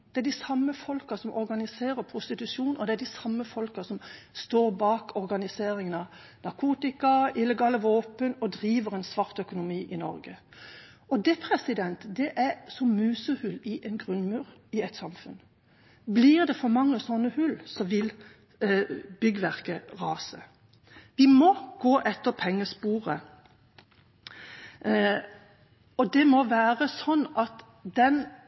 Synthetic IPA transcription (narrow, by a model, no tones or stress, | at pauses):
d̪̥ɛæɖɪsɑmːəfɔlkɑsɔmʔɔɾɡɑnɪseːɾəpʰɾʊst̪ɪt̪ʉʂuːnɔd̪ɛæɖɪsɑmːəfɔlkɑsɔmst̪oːɾbɑːkʰɔɾɡɑnɪseːɾɪŋənɑ | nɑʁkʰuːt̪ɪkɑɪlːəɡɑːləʋoːpənɔd̪ɾiːʋəʁɛnsʋɑʁt̪œkʊnʊmiːʔɪnɔɾɡə | ɔd̪ɛpʰɾɛsɪd̪ɛnt̪d̪ɛʔæɾsɔmmʉːsəhʉlːɪʔɛnɡʁʉnmʉːɾɪɛt̪sɑmfʉn | blɪʁd̪ɛfɔmɑŋːəsɔnːəhʉlsɔʋɪl | b̥ʏɡəʋæʁkəʁɑːsə | ʋɪmɔɡ̥oːʔɛt̪ːəʁpʰɛŋːəspuːʁə | ɔd̪ɛmɔʋæːʁəsɔnːɑt̪ | d̪ɛn